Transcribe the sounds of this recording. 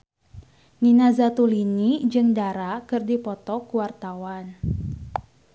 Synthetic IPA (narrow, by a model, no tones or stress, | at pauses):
ninazat̪ulinid͡ʒɨŋdaɾakɨrdipɔt̪ɔkuwart̪awan